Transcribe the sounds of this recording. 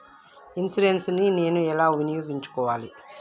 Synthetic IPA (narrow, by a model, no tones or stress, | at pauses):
insiɖensnineːnuɛlaːʋinijuːɡiɲt͡ʃu̥kɔːʋaːli